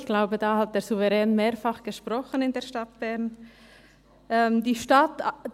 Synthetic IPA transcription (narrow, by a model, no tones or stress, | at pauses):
çɡ̥laʊbədɑːhɑt̚d̥eːɾzuvɛʁɛːnmeːɾfɑχɡ̥əʃpʁɔχənɪndeːɐʃtɑt̚b̥ɛʁn | ʔɛmdiːʃtɑt